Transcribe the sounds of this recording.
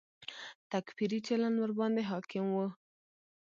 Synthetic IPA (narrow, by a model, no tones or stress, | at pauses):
t̪akfiɾit͡ʃalanwaɾbɑnd̪eɦɑkɪmwu